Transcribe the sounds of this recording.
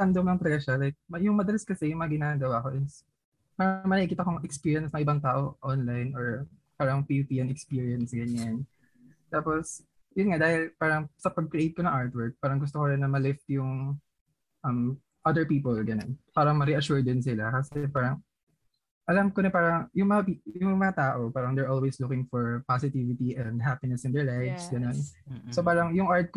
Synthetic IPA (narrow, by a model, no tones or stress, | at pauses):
ɐnd̪omlɐŋt̪pɐlɐɡaʃalajk̚mɐjʊŋmɐd̪ɐlɐskɐsɛjʊŋmɐŋɐɡɪnaːɡɐwaːko̞ʔɪs | paːɾɐŋmɐnɐkikiːt̪ɐkoŋɛkspiːɹjɐnsmɐŋʔɪbaŋt̪aːʔoʔonlajnʔɔɹ | paːɾɐŋpiup̪iːʔɛnɛkspiːɹiɐnsɡɐɲan | t̪aːpos | jʊnŋad̪aːhɪlpaːɾɐŋsɐpɐɡ̚kɾɪejt̪̚konɐŋʔaɹt̪wɛɹk̚paːɾɐŋɡʊs̬t̪okoɾɪnɐmɐlɪft̪jʊŋ | ʔɐm | ʔɐd̪ɛɹpiːpolɡɐnonpaːɾɐŋmɐɾɛʔɐʃʊɹd̪ɪnsɪlakɐsɛpaːɾɐŋ | ʔɐlamkonɛpaːɾɐŋjʊŋmɐŋɐpijʊŋmɐŋɐt̪aːʔopaːɾɐŋd̪ɛɹʔolweslʊkɪŋfɔɹpasɪt̪ivɪt̪iʔɛnd̪ɦapɪnɛsɪnd̪ɛɹlajvsɡɐnonsopaːɾɐŋjʊŋʔaɹt̪̚k